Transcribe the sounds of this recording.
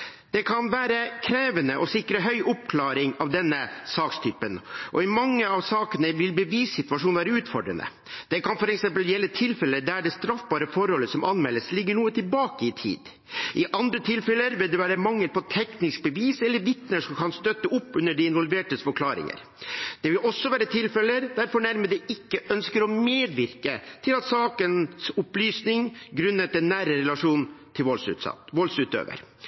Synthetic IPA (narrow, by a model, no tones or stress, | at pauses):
d̪̥ɛkʰɑnʋæːɾəkʰɾeːʋənəʔɔsɪkɾəɦœʏʔʊp̚kʰlɑːɾɪŋɑʋd̪ɛnːəsɑːkst̪ʰyːpənʔɔ̰ɪmɑŋːəɑʋsɑːkənəʋɪlbəʋiːsɪt̪ʋɑʂuːnʋæːɾəʉːt̪fɔɖɾə̰nə̰ | d̪̥ɛkɑnfɔɾɛksɛmpəljɛlːət̪ʰɪlfɛləd̪æɖɛst̪ɾɑfbɑːɾəfɔɾhɔlːəsɔmʔɑnmɛlːəslɪɡːəɳuːət̪ʰɪlbɑːkəɪt̪ʰḭːd̪̥ | ʔɪʔɑnd̪ɾət̪ʰɪlfɛləɾʋɪld̪ɛʋæːɾəmɑŋːəlpʰɔt̪ʰɛknɪsk̚bəʋiːsɛlːəɾʋɪt̪nəʂɔmkʰɑnst̪œt̪ːəʔʊpːʉnːəɖɪɪnʋɔlʋeːʈəfɔkʰlɑːɾɪ̰ŋə̰ɾ | d̪̥ɛʋɪlʔɔsːɔʋæːɾət̪ʰɪlfɛləɾd̪æɾfɔɳæɾməd̪ɛɪkːəʔœnskəɾɔmeːd̪ʋɪɾkət̪ʰɪlɑt̪sɑːkənsʊplyːsnɪŋɡɾʉnːət̪ɛnːæːɾəɾɛlɑʂuːnt̪ʰɪlʋɔlsʉ̰ʋɔlsʉːt̪ø̰ːʋə̰ɾ